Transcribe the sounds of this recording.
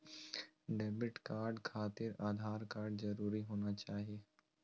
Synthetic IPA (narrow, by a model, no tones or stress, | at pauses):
ɖeːbɪʈkaːɾɖkʰaːt̪ɪɾaːd̪ʱaːɾkaːɾɖzɐɾuːɾiɦoːnat͡ʃaːɦieː